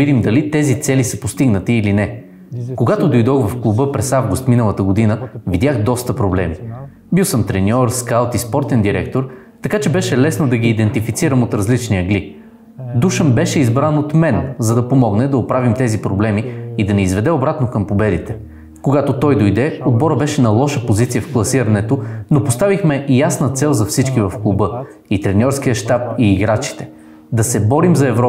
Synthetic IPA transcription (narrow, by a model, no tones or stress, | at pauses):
id̪imd̪ɐlit̪ɛzit̪sɛlisɐpost̪iɡnət̪iːlinɛ | koɡat̪od̪ojd̪ɔɣvɐfklˠubɤpɾɛsavɡʊst̪minəlˠət̪əɡod̪inəvid̪ʲjaxd̪ɔst̪əpɾoblɛ̰mi | biwsəmt̪ɾɛnʲɔɾskalˠt̪ispɔɾt̪ɛnd̪iɾɛ̰kt̪oɾ | t̪ɐkat͡ʃɛbɛʃɛlɛsnod̪ɐɡiːd̪ɛnt̪ifit̪siɾəmot̪ɾɐzlit͡ʃnijəɡli | d̪uʃənbɛʃɛizbɾanot̪mɛnzɐd̪ɐpomɔɡnɛd̪ɐopɾavimt̪ɛzipɾoblɛmiid̪ɐniizvɛd̪ɛobɾat̪nokɐmpobɛd̪it̪ɛ̥ | koɡat̪ot̪ɔjd̪ojd̪ɛod̪̚bɔɾəbɛʃɛnɐlˠɔʃəpozit̪sijəfklˠɐsiɾɐnɛt̪onopost̪avixmɛjasnət̪sɛlˠzɐfsit͡ʃkivɐfklˠubɤ | it̪ɾɛnʲɔɾsk̟ijəʃt̪ap̚iːɡɾat͡ʃi̥t̪ɛ̥ | d̪ɐsɛbɔɾimzɐɛvɾɔ